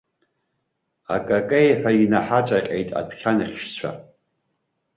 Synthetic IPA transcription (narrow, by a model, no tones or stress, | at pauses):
a̰kʼakʼejħʷᶣainaħat͡ʃʷʼaqʲʼejtʼa̰pʰχʲanɨχʲʃt͡ɕʷʰa̰